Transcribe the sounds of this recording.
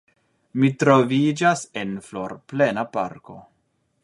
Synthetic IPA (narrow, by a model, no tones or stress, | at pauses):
mitɾo̞vid͡ʒase̞nflo̞ɾple̞napa̰ɾko̞